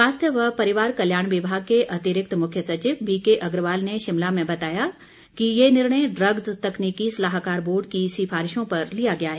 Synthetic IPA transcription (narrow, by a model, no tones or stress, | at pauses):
ʋaːst̪ʰjəʋɐɦpɐɾɪʋaːɾkɐljaːɽ̃ʋɪbʱaːɡ̚keʔɐt̪ɪɾɪk̚t̪mʊkʰjəsɐt͡ʃɪʋbiːkeʔɐɡɾʋaːlneʃɪmlamẽbɐt̪aːja | kijenɪɾɳ̃əjɖɾɐɡzt̪ɐkniːkisɐlaːɦkaːɾboːɾɖ̚kisɪfaːɾɪʃõpɐɾlijaɡɐjaɦɛː